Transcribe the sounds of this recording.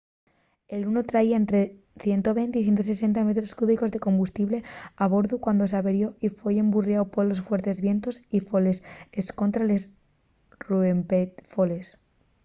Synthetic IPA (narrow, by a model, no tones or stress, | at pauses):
e̞lunot̪ɾaiae̞nt̪ɾe | θje̞nt̪o̞βe̞jnt̪eiθjent̪ose̞se̞nt̪ame̞t̪ɾoskuβiko̞zðe̞ko̞mbust̪iβle̞aβ̞o̞ɾðukwand̪o̞saβeɾjo̞ifweemburjawpoɾlo̞sfwe̞ɾt̪e̞zβje̞nt̪o̞sifole̞sesko̞nt̪ɾales | ruempefole̞s